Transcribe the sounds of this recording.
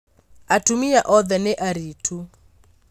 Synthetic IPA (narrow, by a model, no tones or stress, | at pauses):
atumiaʔɔðɛnɛʔaɾitʰu